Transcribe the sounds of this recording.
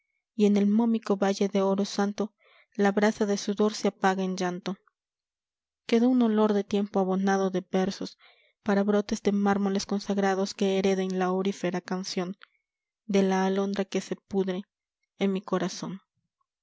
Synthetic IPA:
ie̞ne̞lmo̞miko̞βaʝe̞ðe̞o̞ɾo̞sant̪o̞ | laβɾasaðe̞suðo̞ɾseapaɣaend͡ʒant̪o̞ | ke̞ðouno̞lo̞ɾðe̞t̪je̞mpoaβo̞naðo̞ðe̞be̞ɾso̞s | paɾaβɾo̞t̪e̞zd̪e̞maɾmo̞le̞sko̞nsaɣɾaðo̞ske̞ːɾe̞ðe̞nlaoɾife̞ɾakansjo̞n | d̪e̞laːlo̞nd̪ɾake̞se̞puðɾeː | nmiko̞ɾaso̞n

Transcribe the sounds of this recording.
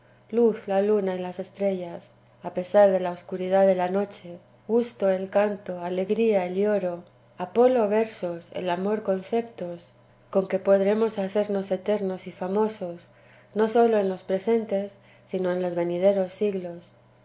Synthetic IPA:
luθlalunaelase̞st̪ɾe̞ʝas | ape̞saɾðe̞laoskuɾiðaðe̞lano̞t͡ʃe̞ | ɣust̪o̞e̞lkant̪o̞ale̞ɣɾiaeljo̞ɾo̞ | apo̞lo̞βe̞ɾsosḛlamo̞ɾko̞nθe̞pt̪o̞s | ko̞ŋke̞po̞ðɾe̞mo̞saθe̞ɾno̞se̞t̪e̞ɾno̞sifamo̞so̞s | no̞so̞lo̞e̞nlo̞spɾese̞nt̪e̞sː | ino̞e̞nlo̞zβe̞nið̞e̞ɾo̞sːiɣlo̞s

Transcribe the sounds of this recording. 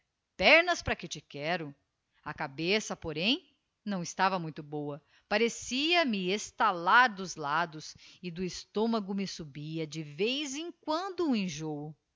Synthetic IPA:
pɛɾnɐspɾɐkɪt͡ʃɪkɛɾʊ | ɐkabesɐpoɾẽj̃ | nɐ̃w̃ɪst̪avɐmũj̃t̪ʊbowɐ | paɾesiɐmɪest̪alaɾd̪ʊzlad̪ʊsɪd̪ʊɪst̪õmɐɡʊmɪsubiɐd͡ʒɪvejzẽkwɐ̃nd̪ʊ̃ẽʒowʊ

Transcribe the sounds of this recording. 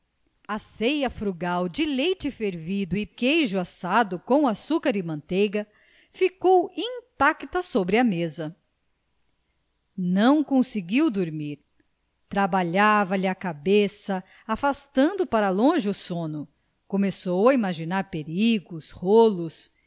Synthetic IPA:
asejɐfɾuɡawd͡ʒɪlejt͡ʃɪfeɾvid̪ʊɪkejʒʊasad̪ʊkõw̃asukɐɾɪmɐ̃nt̪ejɡɐ | fikowĩt̪akt̪ɐsobɾɪɐmezɐ | nɐ̃w̃kõsiɡiwd̪oɾmiɾ | t̪ɾabaʎavɐlɪakabesɐ | afast̪ɐ̃nd̪ʊpaɾɐlõʒɪʊsõnʊ | komesowaimaʒinaɾpeɾiɡʊsholʊs

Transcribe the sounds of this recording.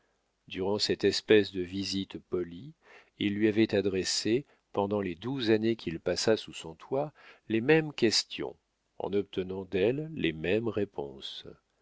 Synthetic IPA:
d̪yʁɑ̃sɛt̪ɛspɛsd̪əvizit̪pɔli | ilːɥiavɛt̪ad̪ʁese | pɑ̃d̪ɑ̃led̪uzanekʲʰilpasasusɔ̃t̪walemɛmkʲɛst̪jɔ̰̃ | ɑ̰̃nɔp̚t̪ʰənɑ̃d̪ɛlːemɛmʁepɔ̰̃s

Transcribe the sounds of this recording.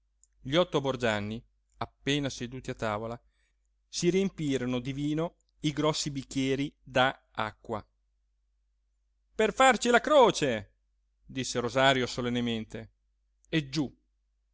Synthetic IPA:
ʎiɔt̪ːobord͡ʒanːi | apːeːnased̪uːt̪iat̪ːaːvola | siɾiempiːɾonod̪iviːno | iɡɾɔsːibikːjɛːɾid̪a | a̰kːwa̰ | perfart͡ʃilakɾoːt͡ʃe | d̪isːeɾozaːɾjosolenːement̪e | ed͡ʒu

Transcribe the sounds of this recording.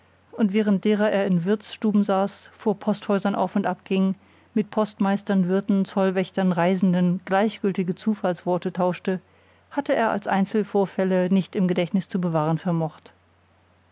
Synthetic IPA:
ʔʊntv̥ɛːʁ̞ənt̚d̥eːʁ̞ɐʔeːɐɪnvɪɐt͡sʃtuːbm̩zaːsfoːɐpʰɔsthɔʏzɐnʔa̰ʊfʊntʔap̚ɡ̥ɪŋ | mɪt̚pʰɔstmaɪstɐnvɪɐtn̩t͡sɔlvɛçtɐnʁaɪzn̩dənɡ̥laɪçɡ̥ʏltɪɡət͡suːfalsv̥ɔɐtətʰaʊʃtə | hatəeːɐʔa̰lsʔa̰ɪnt͡sl̩foːɐfɛlənɪçtɪmɡədɛçtnɪst͡subəvaːʁ̞ənfɛɐmɔχt

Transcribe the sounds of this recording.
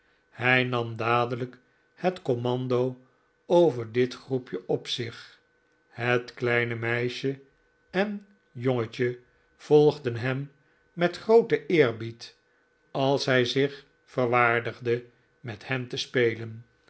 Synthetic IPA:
hɛjnɑmdaːdələk | hətkomɑndow | owvəɹdɪtχrupjəʔɔpsɪχ | hətklɛjnəmɛjʃə | ɛn | joŋəcə | v̥ɔlˠχdənɦɛmː | ɛtχrowtəʔɪːɹbit | ɑlˠsɦɛjzɪχ | fəɹʋaːɹdəχdə | mɛthɛmtəspejlən

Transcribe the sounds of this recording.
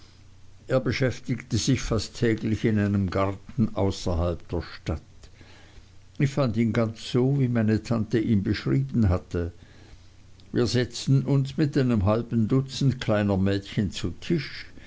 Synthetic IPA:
ʔeːɐbəʃɛftɪktəz̥ɪçfastʰːɛːɡlɪçɪnaɪnəmɡaʁtn̩ʔa̰ʊsɐhalp̚d̥eːɐʃtat | ɪçfandiːnɡant͡sz̥oːviːmaɪnətʰantəʔiːnbəʃʁiːbn̩ɦatə | viːɐzɛt͡stn̩ʊnsmɪtʔaɪnəmɦalbn̩dʊt͡sn̩tkʰlaɪnəmɛːtçənt͡sutʰɪʃ

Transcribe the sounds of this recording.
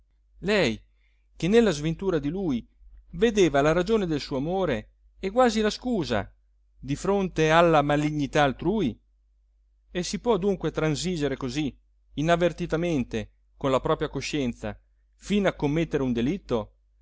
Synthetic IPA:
lɛj | k̟enːelːazvent̪uːɾad̪iluːj | ved̪eːvalaɾad͡ʒoːned̪elsuːamoːɾe | ɛɡwaːzilaskuːza̰ | d̪ifɾont̪ealːamaliɲːit̪aːlt̪ɾuːi | esipwɔd̪uŋkwet̪ɾansiːd͡ʒeɾekoziː | navːert̪it̪ament̪e | konlapɾɔːpɾjakoʃɛnt̪sa̰ | finakːomːet̪ːeɾeund̪elit̪ːo

